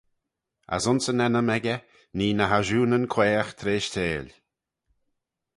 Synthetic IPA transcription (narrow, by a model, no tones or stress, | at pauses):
a̰sʊnsənɛnəmɛɡə | niːnəɦaʒuːnənkʰweːəxt̪ʰɾeːʃt̪ʰeːlʲ